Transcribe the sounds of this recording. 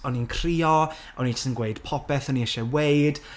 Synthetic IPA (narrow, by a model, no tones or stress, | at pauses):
ɔninkʰr̥iːɔ | ɔnitsənɡweɨd̥pʰɔpɛθɔniɛʃɛweɨd̥